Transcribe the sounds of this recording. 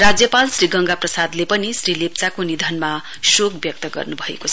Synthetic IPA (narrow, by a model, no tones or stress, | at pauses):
rad͡zjʌpalsriɡʌŋɡaprʌsad̪lepʌnisrilep̚t͡sakonid̪ʱʌnma | sokbjʌk̚t̪ʌɡʌ̰rnubʱʌḛkot͡sʰ